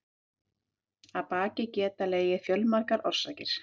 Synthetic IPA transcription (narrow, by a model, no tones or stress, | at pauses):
aðpaːcɪcɛːt̪aleːjɪfjœlmaɾkaɾʔɔr̥saːcɪɾ̥